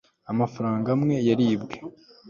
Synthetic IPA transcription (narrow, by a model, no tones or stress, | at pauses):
amafaɾaːŋɡamŋe̞jaɾiːbɡe̞